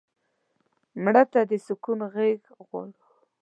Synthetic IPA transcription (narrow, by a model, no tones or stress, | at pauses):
mɽat̪ad̪əsʊkunɣeɡ | ɣwɑ̰ɽu